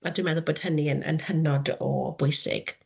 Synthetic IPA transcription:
adwimɛðʊlˠboːd̥həniənə̰nhənɔdɔ̰bʊjsɪ̰ɡ̥

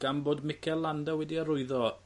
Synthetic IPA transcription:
ɡ̥amboːdmɪkʰɛlːandawɛdiəɾʊɨðɔ

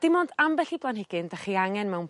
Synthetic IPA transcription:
d̥ɪmoːndambɛɬiblˠanhɪɡ̥ɪndaχiaŋɛnmɛwn

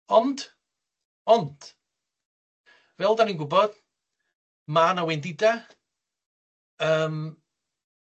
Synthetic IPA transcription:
ɔnd̥ | ɔnd̥ | vɛlˠdaninɡʊbɔd̥ | manawɛndɪda | əːm

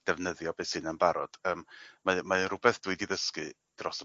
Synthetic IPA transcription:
d̥ɛvnəðjɔbeːsɨnənbaɾɔ̰d̥əːmmamaənrʊbɛθd̥wiɨdiðəskɨ | d̥rɔs

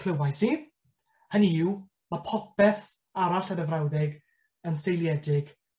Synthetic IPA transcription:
kʰləwajsiː | həniɪw | mapʰɔpɛθ | aɾaɬənəvrawðɪɡ | ənsejlˠjɛdɪɡ̥

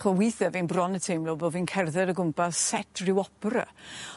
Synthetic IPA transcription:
χɔwɪθɛvinbrɔnətʰejmlˠobovinkʰɛrðɛɾəɡʊmpassɛtʰrɪwɔprə̰

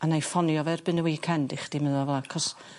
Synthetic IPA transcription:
anajfɔnjɔvɛrbɨnəwiːkʰɛndiχd̥imɪðɔvɛlˠakʰɔs

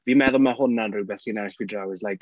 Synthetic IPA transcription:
vimɛðɔlˠmahʊnanruwbɛsinanɛsb̥idrawɪzlajk

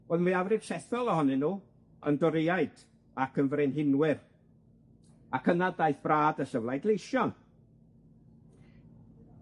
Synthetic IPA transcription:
oːðmwiavrɪr̥ʃɛθɔlˠəhɔnɪnːuː | ə̰ndɔɾejaɨd̥ | akʰənvɾɪnɦɪnwɪr | akʰənadajθb̥raːdəɬəvlˠajɡlˠejʃjɔn

